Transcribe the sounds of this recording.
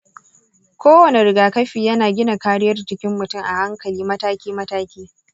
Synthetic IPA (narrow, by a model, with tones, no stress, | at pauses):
kʷoː˦wɐ˨ne˨ɾɪ˨ɡaː˨kɐ˦ɸiː˨jɐ˦naː˨ɡʲɪ˦na˨kaː˦ɽɪ˦jɐ˦rt͡ʃɪ˦kʲɪ˦mːʊ˨tʊ˦˨ŋʔa˨ha˦ŋkɐ˨liː˦mɐ˦taː˦kʲiː˦mɐ˦taː˦kʲiː˦